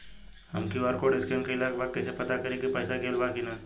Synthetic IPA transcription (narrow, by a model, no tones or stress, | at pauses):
hɐ̰mkiɔɾkoɖɪskenkeɪlaːkbaːɡ̚kɛːsepɐt̪akɐɾekipəːsakeːlbaːkinaː